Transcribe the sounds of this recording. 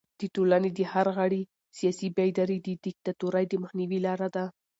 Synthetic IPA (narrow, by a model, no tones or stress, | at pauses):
d̪̥əʈolaned̪əhaɾɣaɽi | sijɑsibajd̪aɾid̪əd̪ɪk̚t̪at̪uɾajd̪əmaxniwilɑɾad̪a